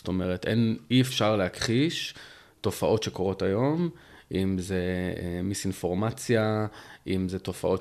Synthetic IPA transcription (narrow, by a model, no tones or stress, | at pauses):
sto̞me̞ʁetḛniefʃaʁlehakχiʃ | to̞faʔo̞tʃe̞ko̞ʁo̞tajo̞mʔimzemisinfo̞ʁmat͡sjaʔimzeto̞fa̰ʔo̞